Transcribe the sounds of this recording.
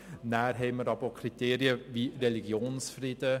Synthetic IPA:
næːɾɦɛɪməɾɑbəəkʰɾit̪eːɾiəʋiɾɛliɡjoːnsfɾidə

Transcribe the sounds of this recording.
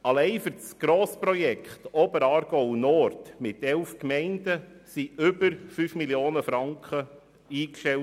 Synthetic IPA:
ɑlɛɪfʏɾsɡ̥ɾoːspɾɔjɛkχtɔbəɾɑːɾɡ̥ɔʊnɔɾtmɪtɛlfkmɛɪndəsiʏbəɾfyːfmiljoːnəfɾɑŋkχə | iːkʃtɛ

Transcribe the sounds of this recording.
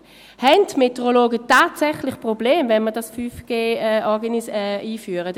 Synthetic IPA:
hɛntmeteʁoloːɡətaːtsɛχlɪχpʁobleːmvɛnməɐdasfyːfɡ̥eːɛʔɔɐɡənisɛiːfyːəʁə

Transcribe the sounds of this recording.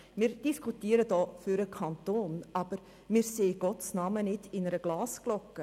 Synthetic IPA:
mɪːɾd̥iskʰutiːəɾədɔːfyɾəkʰɑnt̪oːnʔɑb̥əɾ | mɪːɾseːɡ̥ɔtsnɑːmənɪdɪnəɾəɡ̥lɑːsɡ̥lɔkːə

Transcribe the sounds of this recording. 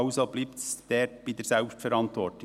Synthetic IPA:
ʊsob̥liːptsd̥eːɾb̥iːdɛɾsɛlpstfɛɾɑntʋɔɾtʊ

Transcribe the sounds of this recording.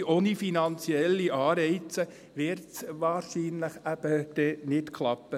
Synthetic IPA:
onifinɑnt͡siɛlːiʔɑːɾɛɪt͡sə | ʋɪɾtsʋɑːɾʃiːnləχæb̥əd̥ɛnɪtkʰlɑpːə

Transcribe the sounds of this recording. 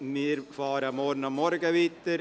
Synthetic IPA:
miːəɾfɑːɾəmɔɾnɑmːɔɾɡəʋiːt̪əɾ

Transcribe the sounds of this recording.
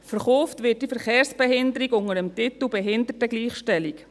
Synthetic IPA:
fəɾχoːftvɪːt̚d̥ifɛɾχeːɾsb̥ɛɦɪndəɾikʊŋəɾəmtɪt̪l̩bɛɦɪndətəɡliːχʃtɛlik

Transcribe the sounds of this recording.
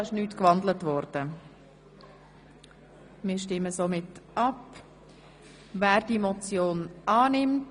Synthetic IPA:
ɪʃnyːtkvɑndlətvɔɾd̥ə | mɪːɾʃtɪməsomɪtʔɑp | væːɾdimɔt͡sjoːnɑːnɪmt

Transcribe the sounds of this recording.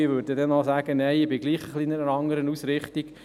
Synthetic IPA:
ɪʋøɾdədɛnɔsæːɡənɛɪɪbɪɡliːχəχliɪnɛnəɾɑŋəɾənusɾɪχt̪iɡ

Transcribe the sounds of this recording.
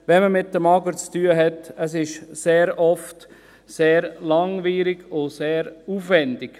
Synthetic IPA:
ʋɛnməmɪtːəmɑɡəɾt͡styːəɦɛtəsɪʃseːɾɔft | seːɾlɑŋʋiːɾɪɡʊseːɾuːfʋɛnd̥ɪɡ̥

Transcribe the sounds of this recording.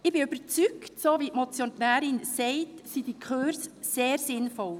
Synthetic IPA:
ɪb̥ɪybəɾt͡syktsoːʋitmɔt͡sjonæːɾɪnsɛɪtsid̥ikʰøːɾs | seːɾsɪnfɔl

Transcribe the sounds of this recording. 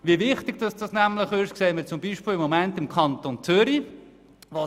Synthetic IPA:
ʋiʋɪχtɪɡ̚d̥ɑsd̥ɑsnæmləχɪʃkseːməɾt͡sʊmbiːʃpɪːlɪmːɔmɛntɪmkʰɑntont͡sʏɾi | ʋo

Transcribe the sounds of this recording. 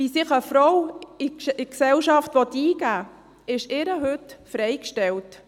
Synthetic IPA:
ʋisɪχəfɾɔwɪɪksɛwʃɑftʋɔt̪iːɡæː | ɪʃɪɾəɦɵtfɾɛjkʃtɛlt

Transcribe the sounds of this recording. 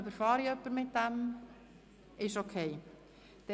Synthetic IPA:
œbəɾfɑːɾiœpːəɾmɪt̚dæm | ɪʃokʰeɪ | d̪̥ɛ

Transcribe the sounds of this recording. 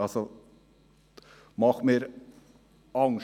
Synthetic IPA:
ɑlsɔ | mɑχmeːɾ | ɑŋ

